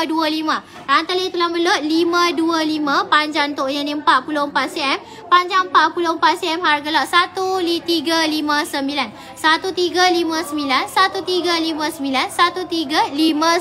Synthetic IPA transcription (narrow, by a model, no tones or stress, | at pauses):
duəlimã | ant̪alit̪ulaməlot̪̚limãduəlimãpaɲd͡ʒaŋt̪oʔjanĩəmpat̪̚puloəmpat̪siɛm | paɲd͡ʒaŋmpaʔ̪̚puloəmpat̪̚siɛmharɡalaʔsat̪ulit̪iɡalimãsəmbilan | sat̪ut̪iɡalimãsəmbilansat̪ut̪iɡalimãsəmbilansat̪ut̪iɡalimã